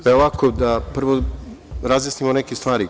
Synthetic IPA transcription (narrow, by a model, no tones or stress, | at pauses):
eolakod̪apr̩ʋoɾazjasnimonekest̪ʋaːɾi